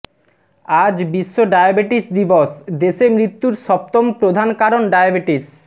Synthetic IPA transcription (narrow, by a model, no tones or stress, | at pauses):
ad͡ʑbiʃːoɖajabeʈisd̪ibosd̪eʃemɾit̪ːuɾʃɔp̚t̪ompɾod̪ʱankaɾonɖajabeʈis